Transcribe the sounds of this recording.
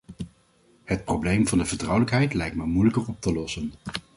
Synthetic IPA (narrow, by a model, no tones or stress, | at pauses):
hət̚problejmvɑndəvəɹtrʌwləkɦɛjtlɛjk̚tməmujləkəɹɔp̚təlɔsən